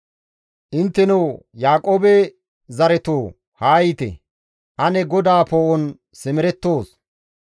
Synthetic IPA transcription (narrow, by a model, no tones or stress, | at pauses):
ʔɪnt̪ːɛnɐw | jaːkʼoːbɛ | zɐɾɛt̪oː | haːjɪt̪ɛ̰ | ʔɐnɛɡɔd̪aːpoːʔɔn | sɪmɪɾɛt̪ːo̞ːs